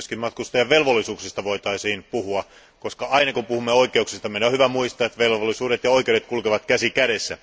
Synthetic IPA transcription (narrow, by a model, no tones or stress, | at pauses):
øskimmɑt̪kust̪ɑjɑʋelʋolːisuːksist̪ɑʋoit̪ɑisiːnpuhuɑ | koskɑɑinɑkupuhumːeoikˑeuksist̪ɑmenohyʋæmuist̪ɑːet̪ʋelʋolːisuːɾet̪jɑoikeuɾet̪kulkeʋɑt̪kæsikæɾesːæ̰